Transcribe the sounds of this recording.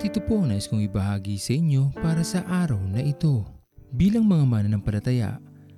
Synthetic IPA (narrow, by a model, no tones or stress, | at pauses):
t̪it̪ʊponaːʔɪskoŋɪbɐhaːɡisɐʔɪɲo̞paːɾɐsɐʔaːɾɐwnɐʔɪt̪o̞ | biːlɐŋmɐŋamaːnɐnɐŋpɐlɐt̪ɐja̰ʔ